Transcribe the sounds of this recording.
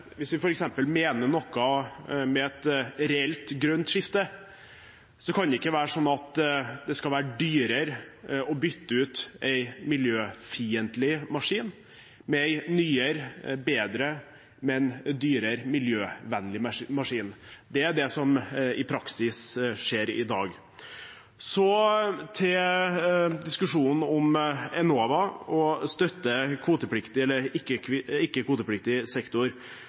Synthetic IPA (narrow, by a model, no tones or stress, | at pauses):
ʋɪsʋɪfɔɾɛksɛmpəlmeːnəɳɔkːɑmɛɛt̪ɾɛɛlt̪ɡɾœnt̪ʂɪft̪ə | sɔkʰɑnd̪ɛɪkːəʋæːɾəʂɔnːɑt̪d̪ɛskɑʋæːɾəɖyːɾəɾɔbʏt̪ːəʉːt̪ʔæɪmɪljøːfiːənt̪lɪmɑʂiːn | mɛæɪnyːəɾbeːd̪ɾə | mɛnd̪yːɾəɾmɪljøːʋɛnːlɪmmɑʂiːnd̪ɛæɖɛsɔmɪpʰɾɑksɪsʂeːɾɪ̰d̪ɑ̰ːɡ | sɔt̪ʰɛl | d̪ɪskʉʂuːnn̩ɔmɛnoːʋɑɔst̪œt̪ːəkʰʋuːt̪əpʰlɪkt̪ɪɛlːəɾɪkːəkʰɪkːəkʰʋuːt̪əpʰlɪk̚t̪ɪsɛkt̪ʊɾ